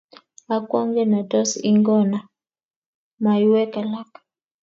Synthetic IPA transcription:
a˦kwɔ˦ŋɡɛ˦na˨tɔ˦si˦ŋɡɔ˦na˨ | ma˨ju˦wɛ˦ka˨la˦k

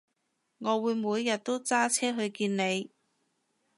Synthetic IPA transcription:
ŋɔː˨˧wuː˨˧jmuː˨˧jːɐ˨t̚t̪o˥wt͡saː˥t͡sʰɛː˥ɦɵ˧ɥkiː˧nne˨˧j

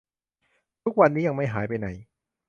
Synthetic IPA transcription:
t̪ʰu˦˥k̚wa˧nːiː˦˥ja˧ŋma˥˩jɦaː˩˦jpa˧jna˩˦j

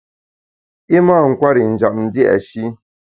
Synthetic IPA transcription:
i˦maː˦˨ŋ̩˨kʷwa˦ɾi˨n̩˨d͡ʒa˨p̚n̩˨˦di˦ʔa̰˨ʃi˦

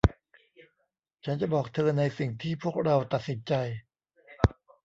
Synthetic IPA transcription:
t͡ɕʰa˦˥nt͡ɕa˨˩bɔː˨˩k̚t̪ʰɤː˧nːa˧jsi˨˩ŋt̪ʰiː˥˩pʰu˥˩ək̚ɾa˧wt̪a˨˩t̪̚si˨˩˦nt͡ɕa˧j

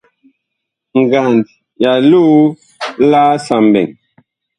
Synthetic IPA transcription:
ŋ˨ɡa˨nd | ja˨lu˦ | laː˦sa˨mbɛ̰˨ŋ

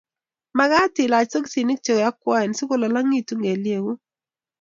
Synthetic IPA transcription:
ma˨˦ɡa˦tɪ˨la˨t͡ʃso˦k̬si˨nɪ˦k̚t͡ʃo˨ɡja˦kwa˦ɛ˨nsi˦ko˦la˨la˦ŋi˦tu˦ŋɡe˨lje˨ɡu˦

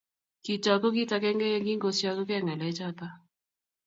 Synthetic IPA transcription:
ki˨t͡ʃa˨ko˦ki˦ta˧kɛ˦ŋɡɛ˦jɛ˦ŋɡi˦ŋɡo˨sja˦kɔ˦kɛ˦˨ŋɛ˨lɛ˨˦t͡ʃa˦t̪a˦

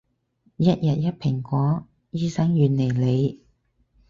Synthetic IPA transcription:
jɐ˥t̚jɐ˨t̚jɐ˥t̚pʰɪ˨˩ŋkʷɔː˨˥ | jiː˥sɐ˥ŋjyː˨nle˨˩jle˨˧j

